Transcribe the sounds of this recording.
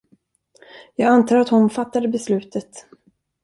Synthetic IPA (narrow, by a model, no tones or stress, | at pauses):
jɑːɡant̪ʰɑːɾat̪hʊnfat̪ːad̪əbɛslʉ̟ːt̪ʰət̪